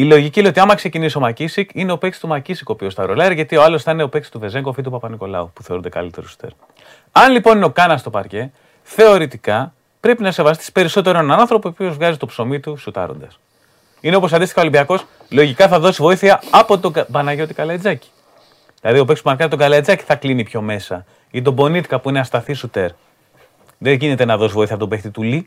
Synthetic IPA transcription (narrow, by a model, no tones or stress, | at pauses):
ilo̞ʝicineot̪iɐmɐkseciniso̞mɐcisikine̞o̞peksi̥t̪umɐcisiko̞piost̪ɐɾo̞lɐɾiʝɐt̪io̞ɐlo̞sθɐnineope̞ksi̥st̪uve̞ze̞ŋɡofit̪upɐpɐniko̞lɐ̰upu̥θeund̪ekɐ̰lit̪e̞̰ɾusu̥t̪eɾ | ɐnlipo̞nineo̞kɐnɐst̪o̞pɐ̰ɾce̞ | θe̞o̞ɾit̪ikɐ | pɾe̞pinɐse̞vɐs̬t̪i̥si̥pe̞ɾiso̞t̪e̞ɾoenɐnɐnθɾo̞poopio̞zvɣɐzit̪o̞pso̞mit̪usut̪ɐ̰ɾo̞̰nd̪ɐs | ineo̞po̞s̬ɐnd̪ist̪xɐolimbiɐko̞s | lo̞ʝikɐθɐðo̞sivo̞iθiɐːpo̞t̪obɐnɐʝo̞t̪ikɐlɐid͡zɐci̥ | ðilɐðio̞peksumɐkɐɾit̪o̞ɡɐlɐid͡zɐci̥θɐklinipço̞me̞sɐ | it̪̬o̞bo̞nit̪i̥kɐpuineɐst̪ɐθisut̪e̞ɾ | ðeʝinet̪e̞nɐðosivoiθiɐpot̪obext̪it̪uli